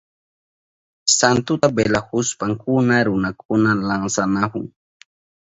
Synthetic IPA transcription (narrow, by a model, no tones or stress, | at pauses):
sant̪ʊt̪abelahʊspaŋkʊnaɾʊnakʊnalaŋsanakʊŋ